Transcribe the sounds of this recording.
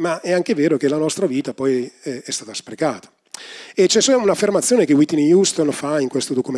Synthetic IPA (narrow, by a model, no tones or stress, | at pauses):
maɛaŋk̟eveːɾokelːanɔst̪ɾaviːt̪apɔjɛɛst̪aːt̪aspɾekaːt̪ḁ | et͡ʃɛsɛunafːermat̪sːjoːnek̟ewit̪ːinjust̪onfaiŋkwest̪od̪okume